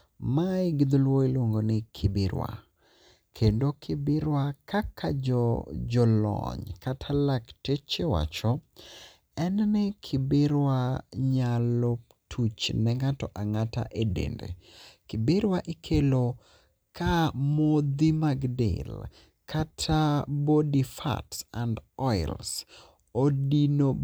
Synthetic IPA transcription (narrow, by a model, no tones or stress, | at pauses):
maiɡid̪lwoilwoŋɡonɪkʰɪbɪɾwa̰ | kʰendokʰɪbɪɾwakʰakʰa̰d͡ʒɔd͡ʒɔlɔ̰ɲkatʰalaktet͡ʃewa̰t͡ʃɔ | ɛnnɛkʰɪbɪɾwaɲalo | tʰut͡ʃnɛŋatɔʔaŋata̰ʔedḛndḛkɪbɪɾwaʔɪkʰelo | kamod̪imaɡdḛl | kʰatʰabodifa̰tsandɔɪls | odino